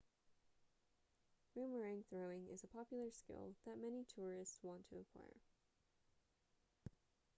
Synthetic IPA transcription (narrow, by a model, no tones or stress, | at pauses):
ɹʉ̃mwəɹɪ̃ŋθɹoʊɪ̃ŋɪ̰zəpʰɑpjl̩ˠə˞skɪ̰lˠðɨt̚mɛnitʰʊɹɪstswɑ̃ntʰɨəkʰw̥a̰ɪə̰˞